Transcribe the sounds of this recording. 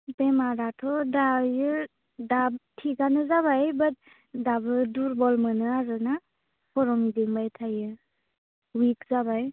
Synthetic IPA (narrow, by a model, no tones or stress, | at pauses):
bemaɾatʰɔdajɯ | dabtʰiɡanɯzaβajbat̚ | dabɯduɾbɔlmɯnɯaɾɯna | pʰɔɾɔmidiŋbajtʰajɯ | wikzabaj